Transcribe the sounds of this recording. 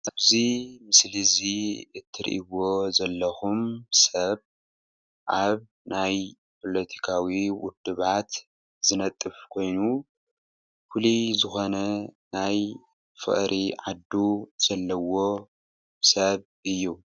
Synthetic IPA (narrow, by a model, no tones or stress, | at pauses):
ʔaβzimɨsliziɨt̪ʰːɨɾḭʔiβozɐlːɐxumsɐβ | ʔaβ | naj | pʰo̞lɐt̪ʰi̥kʰawiwʊd̪ːɨβat̪ | z̥ɨnɐt̪ʼːɨfkʰo̞jnu | fulizɨxo̞nɐnaj | fɨ̰χʼɾʔiʕad̪ːuz̥ɐlːɐwo̞ | sɐβ | ʔɨjːu